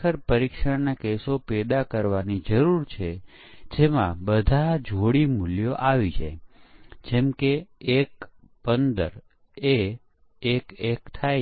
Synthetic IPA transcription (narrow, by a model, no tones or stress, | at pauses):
əɾpəɾikʃəɽnakesopɛd̪akəɾʋanid͡ʒəɾuɾt͡ʃʰe | d͡ʒemã̰bəd̪ʱad͡ʒʱoɽimʊljoʔaʋit͡ʃʰḛ | d͡ʒɛmkeːk | pənd̪ə̰ɾ | eː | kekt̪ʰaj